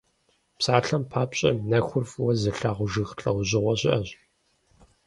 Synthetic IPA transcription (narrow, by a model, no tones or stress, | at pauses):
psaːɬɐmpʰaːpɕʼɐ̰nɐxʷʊrfwɐzɨɬaːʁʷʊʒɨxɬʼɐwʑɪʁʷɔɕɪʔɐɕ